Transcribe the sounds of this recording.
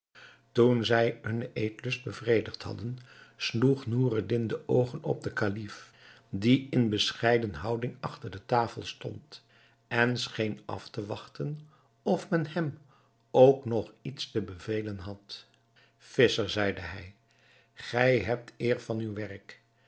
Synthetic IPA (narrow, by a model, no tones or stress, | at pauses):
tunzɛjɦɵnejtlɵsd̚bəvrejdəχtɦɑ̰dənsluχnuːrədɪndəʔowχənɔ̰b̚dəkalif | diɪnbəsχɛjdənɦɑwdɪŋɑχtəɹdətaːfəlˠstɔ̰nt | ɛnsχejnɑ̰ftəʋɑχtən | ɔfmɛnɦɛm | owknɔχitstəbəvejlənɦɑt | fɪsəɹzɛjdəɦɛj | χɛjɦɛp̚tɪːɹvɑnywʋɛrk